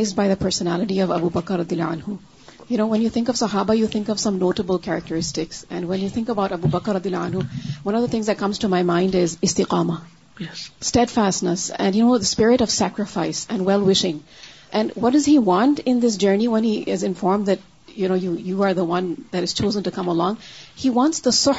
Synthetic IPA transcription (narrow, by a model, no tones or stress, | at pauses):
ɪz̚baɪðəpʰɜ˞sənælɨʈiʌvʌ̰bubʌkəɾːʌdiəlːaãnhu | jɨnoʊwɛ̃njɨθɪ̃ŋkʌv̥sʌɦaːbajuθɪ̃ŋkʌv̥sʌ̃mnoːʈəbəl̩ˠkʰæɹɨk̚təɹɪstɪksɨ̰̃nwɛ̃njɨθɪ̃ŋkəbaʊɾʌbubʌkɾːʌd̪iəlːaãnɦuwʌ̃ñʌvðəθɪ̃ŋzðɨt̚kʰʌ̃mz̥tʰumaɪmãɪ̃ndɪzɪst̪ɪqɑːmə | jstɛdfæstnəsɛ̰̃njɨnoʊðəspɪɹɪɾʌv̥sækɹɨfaɪsɨ̃nwɛlˠwɪʃɪ̃ŋʔɨ̃nwʌt̚d̥ʌziwɑ̃ntɪ̃nðɪs̬d͡ʒɜ˞niwɛ̃niʔɪzɨ̃nfɔːɹmðɨt̚ | jɨñoʊjujuəɹðəwʌ̃nðæɾɨz̥t͡ʃʰoʊzə̃ntukʰʌ̃məlɔ̃ŋhiwɑ̃ntsðəsʊ